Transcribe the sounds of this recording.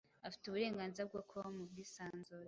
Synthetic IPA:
afi̥tuβuɾe̞ːŋɡaːnziɾab̚ɡakʰoamub̚ɡiːsaːnzoɾ

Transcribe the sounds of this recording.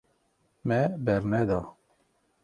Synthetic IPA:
mɛbɛɾnɛd̪ɑ

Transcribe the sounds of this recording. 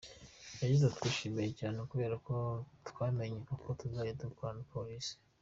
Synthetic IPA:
jaɟizetu̥kwiʃiːmijecaːnekuβe̞ːɾako̞twaːme̞ɲeʔukotuzaːjedukwanapolisi̥

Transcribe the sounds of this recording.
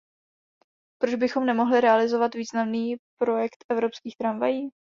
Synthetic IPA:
pɾod͡ʒbɪxo̞mnɛmoɦlɪɾɛalɪzo̞vat̪viːznamniːpɾo̞jɛkt̪ʔɛvɾo̞pskiːxt̪ɾamvajiː

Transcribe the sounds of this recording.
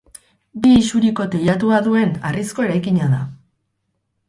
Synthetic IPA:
biːsuɾiko̞t̪ejat̪uaðue̞na̰risko̞e̞ɾajkiɲaða

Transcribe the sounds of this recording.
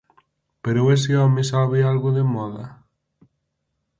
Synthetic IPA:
peɾoes̬eɔmesaβealɣoðemɔðɐ

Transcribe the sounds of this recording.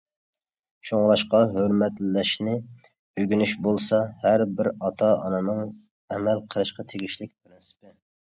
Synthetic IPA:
ʃoŋlˠɑʃqɑɦøɾmɛt̪llɛʃnɪ | øɡʲynyʃbolˠsɑhæɾbɪɾɑt̪ʰɑɑ̰nɨnɨŋ | ɛmɛlqʰəɾˠɨʃqʰɑt̪ʰeɡʲiʃlɪk̚ʲpʰɾɪnsɪ̥pɪ

